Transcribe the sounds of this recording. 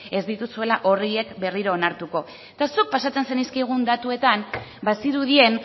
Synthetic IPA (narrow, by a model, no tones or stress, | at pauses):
e̞zd̪it̪usue̞laʔo̞rie̞kbe̞riɾoːnaɾt̪uko̞ | et̪asuk̚pasat͡se̞nse̞niskajɣ̞und̪at̪ue̞t̪ambasiɾuðie̞n